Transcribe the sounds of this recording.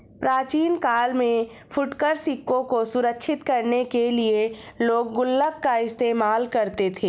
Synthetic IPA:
pɾaːt͡ʃiːnkaːlmẽ | fʊʈkəɾsikːõkosʊɾəkʃʰɪt̪kɐɾnekelieloːɡ̚ːʊlːəkːaɪst̪eːmaːlkɐɾt̪et̪ʰeː

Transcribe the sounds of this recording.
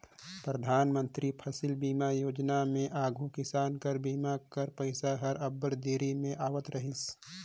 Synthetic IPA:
pɾəd̪ʱaːnmə̃nt̪ɾipʰɐsɪlbiːmajoːd͡ʒnamẽʔaːɡʱukɪsaːnkəɾbiːmakəɾpəɪsaɦɐɾɐbːəɾd̪eːɾimẽʔaːʋət̪ɾɐɦɪs

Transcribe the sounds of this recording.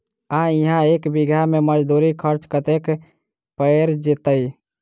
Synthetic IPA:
aiɦãekbiɡjameməd͡ʒd̪uɾikʰəɾt͡ʃkət̪ek | pəeɾd͡ʒet̪əj

